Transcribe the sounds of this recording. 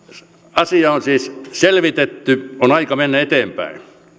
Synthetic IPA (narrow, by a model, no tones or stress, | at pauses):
ɑsiɑonsiːsselʋit̪et̪ːyonɑikɑmenːæet̪eːmpæ̰i